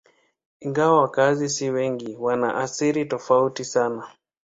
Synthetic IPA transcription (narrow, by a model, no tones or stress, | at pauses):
iŋɡawawakazisiwɛŋɡiwana̰ʔaθiɾitɔfautisana